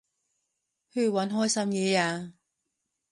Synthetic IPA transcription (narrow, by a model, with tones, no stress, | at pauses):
hɵ˧ɥwɐ˨˥nɦɔː˥jsɐ˥mjɛː˨˧˦jaː˧